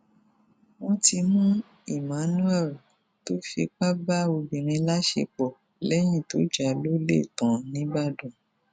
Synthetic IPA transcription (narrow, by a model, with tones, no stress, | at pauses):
wɔ̃˧˦ti˧mũ˦ | i˨mã˨˦nũ˦ɛ˦˨l | to˨˦fḭ˧˦k͡pa˦ba˦o˧bĩ˨ɾ̃ĩ˧la˦ʃḛ˧k͡pɔ˨ | lɛ˨˦j̃ĩ˦˨to˨˦d͡ʒa˨lo˦le˦˨tã˨nĩ˨˦ba˦˨dũ˨